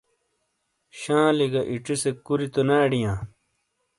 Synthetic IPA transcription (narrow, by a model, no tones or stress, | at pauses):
ɕãːliɡɐʔiʈ͡ʂisekuɾit̪onaːɖijãː